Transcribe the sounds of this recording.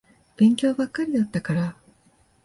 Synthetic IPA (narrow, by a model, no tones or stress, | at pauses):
b̥ẽ̞ŋkʲo̞ːbakːaɾʲijat̪ːakaɾa